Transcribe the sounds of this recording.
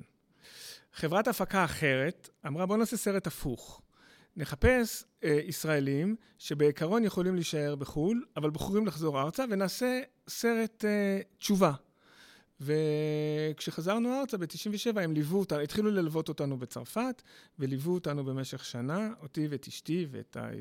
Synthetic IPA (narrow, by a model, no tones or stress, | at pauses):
χe̞vʁatafakaːχe̞ʁe̞tamʁabo̞naːsese̞ʁetafuχ | ne̞χape̞sisʁaelim | ʃe̞be̞ikaʁo̞njeχo̞limliʃae̞ʁbeχulavalbχuʁimlaχzo̞ʁaʁt͡save̞naːse̞ | se̞ʁe̞tːt͡ʃuva | ve̞ | kʃe̞χazaʁnuaʁt͡sabetiʃimveʃe̞vaemlivuotanuitχilulelvo̞to̞tanube̞t͡sa̰ʁfatvelivuotanube̞me̞ʃe̞χʃanaotivetiʃtivḛta̰